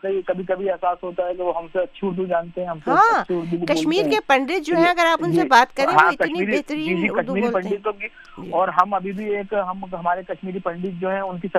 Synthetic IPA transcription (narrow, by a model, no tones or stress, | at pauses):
kɐikɐbʱikɐbʱiɛːsaːsɦoːt̪aɦɛkeʋoɦɐmseɐtːʃʰiʊɾd̪ud͡ʒaːnt̪eɦɛ̃ɦɐmsɦeãːt͡ʃʰʊɾd̪ukɐʃmiːɾkepɐ̃ɳɖɪt̪̚d͡ʒoːɦɛ̃ɐɡəɾaːpʊnsebaːt̪kɐɾẽːɦaõɪkɐniɾbeːɦt̪ɾiiiɾkɐʃd̪umiːɾiːlpɐ̃ɳɖɪt̪ɦoɡi | ɔːɾɦɐmɐbʱibʱieːkɦɐmɦɐmaːɾekɐʃmiːɾipɐ̃ɳɖɪt̪̚d͡ʒoːɦɛ̃ʊnkisɐ